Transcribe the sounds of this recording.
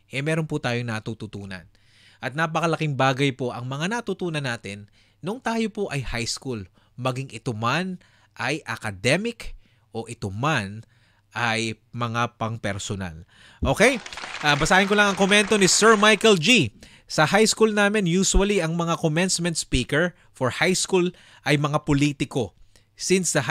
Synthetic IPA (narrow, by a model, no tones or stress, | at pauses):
ʔɛmɛːɾonput̪aːjoŋnɐt̪uːt̪ut̪uːnɐ̰n | ʔɐt̪̚napɐkɐlɐkɪŋbaːɡɐjpo̞ʔɐŋmɐŋanɐt̪ut̪uːnɐnːaːt̪ɪnː | ʊŋt̪aːjo̞poʔɐjhajskul | mɐɡiŋʔɪt̪oman | ʔɐjʔɐkɐd̪ɛmɪk | ʔo̞ʔɪt̪oman | ʔɐj | mɐŋapɐŋpɛɾsona̰l | ʔo̞ːkejʔabɐsaːhɪnkolɐŋɐŋkomɛnt̪o̞nɪsɛɹmajkɛld͡ʒi | sɐhajskulnaːmɪnjuːsuwɐliʔɐŋmɐŋakomɛnsmɛ̃nt̪̚spiːkɛɹ | foɹhajskul | ʔɐjmɐŋapoliːt̪ɪko̞ | sinsd̪ɐ